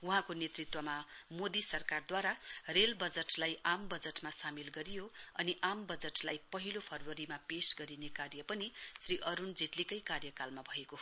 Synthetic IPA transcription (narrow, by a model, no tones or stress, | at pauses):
uɦãkonet̪rit̪wʌmamod̪isʌrkard̪waɾarelbʌd͡zeʈlajambʌd͡zeʈmasamilɡʌɾijoʌniʔambʌd͡zeʈlajpʌɦilopʰʌrwʌɾimapesɡʌɾinekarjʌpʌnisriʔʌɾund͡zeʈlikʌjkarjʌkalmabʱʌeko